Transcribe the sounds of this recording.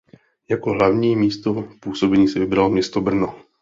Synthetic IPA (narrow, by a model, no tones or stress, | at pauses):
jakoɦlavɲiːmiːst̪opuːsobɛɲiːsɛvɪbɾalmɲɛst̪obr̩no